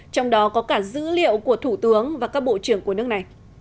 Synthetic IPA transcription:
t͡ɕɔ˧wŋ͡mɗɔ˨˦kɔ˨˦kaː˧˩zɨ̰˧˥lḭ˧˨əwku˧˩ət̪ʰu˧˩t̪ɨ˨˦əŋvaː˨˩kaː˦˥k̚ɓo̰˧˨t͡ɕɨ˧˩əŋku˧˩ənɨ˦˥ək̚na˨˩j

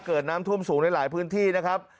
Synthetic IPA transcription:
kɤː˨˩t̪̚naː˦˥mt̪ʰu˥˩əmsuː˩˦ŋna˧jlaː˩˦jpʰɯː˦˥nt̪ʰiː˥˩na˦˥kʰa˦˥p̚

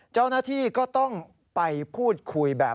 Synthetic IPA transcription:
t͡ɕa˥˩wnaː˥˩t̪ʰiː˥˩kɔː˥˩t̪ɔ˥˩ŋ | pa˧jpʰuː˥˩t̪̚kʰu˧jbɛː˨˩

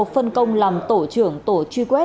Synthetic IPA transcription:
o˨˩t̚fə˧nkə˧wŋ͡mlaː˨˩mt̪o˧˩t͡ɕɨ˧˩əŋt̪o˧˩˦t͡ɕwi˧kwɛ˦˥

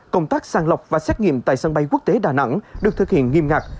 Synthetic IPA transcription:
kə˧wŋ͡mt̪aː˦˥k̚saː˧ŋlə˨˩wk͡p̚vaː˨˩sɛ˦˥t̚ŋḭ˧˨əmt̪a̰ː˧˨jsə˧nɓa˧jku˦˥k̚t̪e˨˦ɗaː˨˩na̰˧˥ŋɗɨ˨˩ək̚t̪ʰɨ˨˩k̚hḭ˧˨ənŋi˧mŋaː˨˩k̚

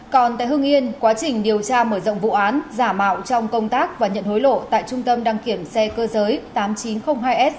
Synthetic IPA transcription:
kɔ˨˩nt̪a̰ː˧˨jhɨ˧əŋʔi˧ənkwaː˨˦t͡ɕï˨˩ŋ̟ɗi˨˩əwt͡ɕaː˧məː˧˩zo̰˧˨wŋ͡mvṵ˧˨ʔaː˨˦nzaː˧˩ma̰ː˧˨wt͡ɕɔ˧wŋ͡mkə˧wŋ͡mt̪aː˦˥k̚vaː˨˩ɲə̰˧˨nho˨˦jlo̰˧˨t̪a̰ː˧˨jt͡ɕʊ˧ŋ͡mt̪ə˧mɗaː˧ŋki˧˩əmsɛ˧kəː˧zəː˨˦jt̪aː˨˦mt͡ɕi˨˦nxə˧wŋ͡mɦaː˧jʔɛ˦˥t̚

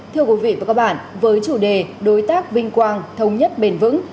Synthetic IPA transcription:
t̪ʰɨ˧əkwi˨˦vḭ˧˨vaː˨˩kaː˦˥k̚ɓa̰ː˧˨nvəː˨˦jt͡ɕu˧˩ɗe˨˩ɗo˨˦jt̪aː˦˥k̚vï˧ŋ̟kwaː˧nt̪ʰə˨˧wŋ͡mɲə˦˥t̚ɓe˧˩nvɨ̰˧˥ŋ

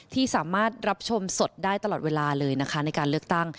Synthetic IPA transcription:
t̪ʰiː˥˩saː˩˦maː˥˩t̪̚ɾa˦˥p̚t͡ɕʰo˧mso˨˩t̪̚daː˥˩jt̪a˧lɔː˨˩t̪̚weː˧laː˧lɤː˧jna˦˥kʰa˦˥na˧jkaː˧nlɯ˥ək̚t̪a˥˩ŋ

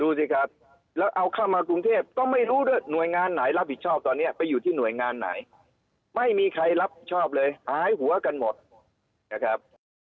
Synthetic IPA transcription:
duː˧si˧˩kʰa˦˥p̚ | lɛː˦˥wʔa˧wkʰaː˥˩mːaː˧kɾu˧ŋt̪ʰeː˥˩p̚t̪ɔ˥˩ŋma˥˩jɾuː˦˥du˥˩əjnu˨˩əjŋaː˧nːa˩˦jla˦˥p̚hi˨˩t̪̚t͡ɕʰɔː˥˩p̚t̪ɔː˧nːi˦˥ɐpa˧jːuː˨˩t̪ʰiː˥˩nu˨˩əjŋaː˧nːa̰˩˦j | ma˥˩jmiː˧kʰɾa˧jɾa˦˥p̚hi˨˩t̪̚t͡ɕʰɔː˥˩p̚lɤː˧jhaː˨˩˦jɦu˩˦ɐka˧nmo˨˩t̪̚ | na˦˥˩kʰa˦˥p̚

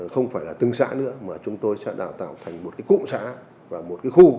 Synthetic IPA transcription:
xə˧wŋ͡mfaː˧˩jlaː˨˩t̪ɨ˨˧˩ŋsa̰ː˧˥nɨ̰˧˥əmaː˨˩t͡ɕʊ˨˦ŋ͡mt̪o˧jsɛ̰˧˥ɗaː˧˩wt̪a̰ː˧˩˨wt̪ʰa˨˩jŋ̟mo˨˩t̚kaː˨˦jkṵ˧˨ŋ͡msa̰ː˧˥ | vaː˨˩mo˨˩t̚kaː˨˦jxu˧

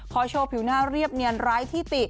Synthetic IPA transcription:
kʰɔː˨˧˦t͡ɕʰoː˧pʰi˨˩˦wnaː˥˩ɾi˥˩əp̚ni˧ənɾaː˦˥jt̪ʰiː˥˩t̪i˨˩

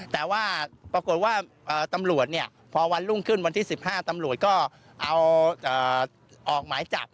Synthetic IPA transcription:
t̪ɛː˨˩waː˥˩pɾa˧ko˨˩t̪̚waː˥˩ | ʔɤː˨˩t̪a˧mɾu˨˩ət̪̚ni˥˩ə | pʰɔː˧wa˧nlu˥˩ŋkʰɯ˥˩nwa˧nt̪ʰiː˥˩si˨˩p̚haː˥˩t̪a˧mɾu˨˩ət̪̚kɔː˥˩ | ʔa˧wʔɤː˨˩ | ʔɔː˨˩k̚maː˩˦jt͡ɕa̰˨˩p̚

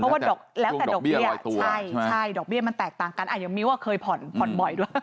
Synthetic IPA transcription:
ɔ˦˥˦wa˥˩dɔː˨˩k̚lɛː˦wtɛː˨˩˨dɔ˨˩i˧b̪t͡ɕʰa˥˩jt͡ɕʰa˥˩jdɔː˨˩k̚bi˥˩ɐma˧nt̪ɛː˨˩k̚t̪aː˨˩ŋka˧nʔa˨˩ja˨˩miː˧waː˥˩kʰɤː˧jpʰɔ˨˩npʰɔ˨˩nbɔ˨˩jdu˧˩

